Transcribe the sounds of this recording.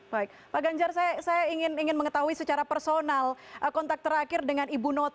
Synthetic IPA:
b̥aɪk̚paɡaɲd͡ʒarsajasajaiŋɪniŋɪnməŋət̪aɦuisət͡ʃaɾapərsonalʔəkɔnt̪ak̚t̪əɾakɪrdəŋanibunɔt̪

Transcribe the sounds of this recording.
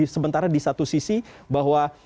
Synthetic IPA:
səmənt̪aɾadisat̪usisibaɦwa

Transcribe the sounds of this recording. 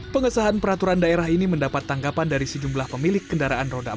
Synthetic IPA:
pəŋəsaɦanpəɾat̪uɾandaeɾaɦiniməndapat̪ːaŋɡapandaɾisəd͡ʒumblahpəmilɪkːəndaɾaʔanroda

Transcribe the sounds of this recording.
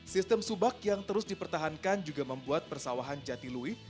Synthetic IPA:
sist̪əmsubak̚jaŋt̪əɾʊsdipərt̪aɦankand͡ʒuɡaməmbuat̪̚pərsawaɦand͡ʒat̪ilui

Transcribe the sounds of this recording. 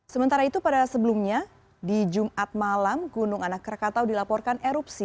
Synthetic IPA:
səmənt̪aɾait̪upadasəbəlumɲa | did͡ʒumat̪̚malamɡunʊŋanakːəɾkat̪awdilapɔrkaneɾupsi

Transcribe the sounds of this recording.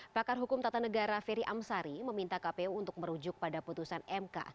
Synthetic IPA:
pakarɦukʊmt̪at̪anəɡaɾafɛɾiʔamsaɾiməmint̪akapeuunt̪ʊk̚məɾud͡ʒʊk̚padaput̪usanɛmka̰

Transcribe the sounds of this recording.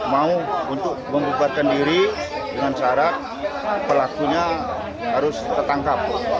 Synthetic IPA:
mauunt̪ʊk̚məmbubat̪̚kandiɾidəŋansaɾa | pəlakuɲa | ɦaɾʊst̪ərt̪aŋkap̚

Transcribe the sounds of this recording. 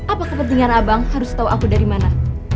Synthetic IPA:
ʔapakəpənt̪iŋanabaŋhaɾʊst̪auʔakudaɾimana

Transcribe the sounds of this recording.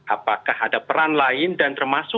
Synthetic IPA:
ʔapakahadapəɾanlaɪndant̪ərmasʊ

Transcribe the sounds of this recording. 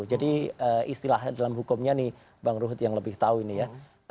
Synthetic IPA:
ud͡ʒadiəist̪ilahdalamɦukʊmɲanɪh | baŋɾuɦʊt̪̚jaŋləbɪht̪auinija

